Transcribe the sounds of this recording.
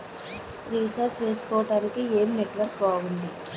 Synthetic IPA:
ɾiːt͡ʃaɾt͡ʃe̞ːsu̥kɔːɐʈaːnikieːmneʈʋɐɾkbaːɡund̪i

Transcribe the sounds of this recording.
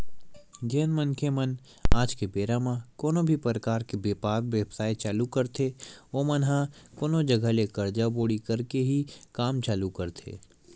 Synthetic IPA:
ɡeːnmə̃nkʰemən | aːd͡ʒkebeːɾamãkoːnõbʱipɾəkaːɾkebeːpaːɾʋjəbsaːit͡ʃaːlukɐɾt̪ʰeoːmɐnɦãkoːnõd͡ʒɐɡʱəlekɐɾd͡ʒaboːɽikɐɾkeɦikaːmt͡ʃaːlukɐɾt̪ʰḛː

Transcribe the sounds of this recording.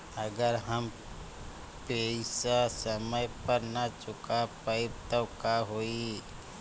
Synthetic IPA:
əɡəɾɦəm | peːssəməjpəɾnɐt͡ʃʊkapəɪbt̪okaɦoːi

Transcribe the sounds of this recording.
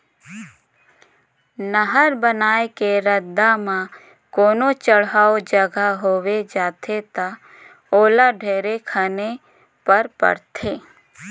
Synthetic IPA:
nəɦəɾbənaːekeɾəd̪amã | koːnot͡ʃəɽɦaːod͡ʒəɡaɦoːwed͡ʒaːt̪ʰet̪a | oːlaɖʱeːɾekʰane | pəɾpə̰ɾt̪ʰeː

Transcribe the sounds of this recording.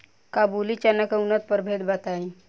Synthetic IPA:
kabulit͡ɕanːakəunət̪̚pəɾbʱed̪bat̪ai

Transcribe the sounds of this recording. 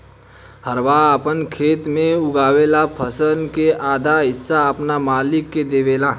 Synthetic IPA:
həɾʋaəpənkʰeːt̪mẽʊɡaːʋeːlapʰəsənkeʔaːd̪ʱaɦɪsːaəpnamaːlɪkːed̪eːʋeːlaː

